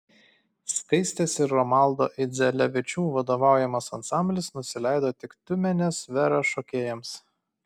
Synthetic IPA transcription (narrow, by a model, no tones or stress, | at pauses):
skɐɪsʲt̪ʲeːsɪɾɾɔmɑˑlˠˑd̪o̰ːʔɪd̪zʲɛlʲɛʋʲɪt͡ʃʲuːʋɐd̪oːʋɑˑʊjɛmɐsɐnsɑˑmʲbʲlʲɪsnʊsʲɪlʲɛɪd̪oːt̪ʲɪkt̪ʲʊmʲɛnʲesʋʲɛɾɐʃokʲeːjɛms